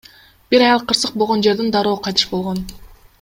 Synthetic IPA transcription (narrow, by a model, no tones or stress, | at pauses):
b̥iɾɑjɑlˠqʰːɯɾsɯq̚bolˠʁond͡ʒe̞ɾd̪ind̪ɑɾo̞ːqʰɑjt̪ɯ̥ʃbo̞lˠʁo̞n